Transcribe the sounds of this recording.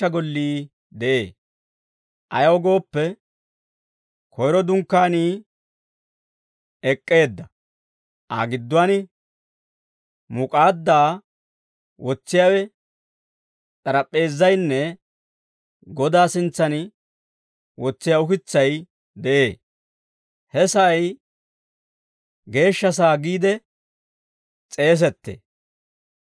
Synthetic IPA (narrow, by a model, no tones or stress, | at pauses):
ɐɡɔlːiː | d̪ɛʔeː | ʔɐjɐwɔɡo̞ːpːɛ | kʰɔjɾɔd̪ʊŋkːaːniː | ɛkʼːe̞ːd̪ːɐ | ʔa̰ːɡɪd̪ːʊwanɪ | mʊkʼaːd̪ːaː | wɔt͡sːɪjaːwɛ | t̪ʼɐɾɐpʼːe̞ːzːɐjnːɛ | ɡɔd̪aːsɪnt͡sːɐnɪ | wɔt͡sːɪjaʊkɪt͡sːɐj | d̪ɛʔe̞ː | hɛsɐʔːj | ɡe̞ːʃːɐs̬aːɡiːd̪ɛ | t͡sʼe̞ːs̬ɛt̪ːḛː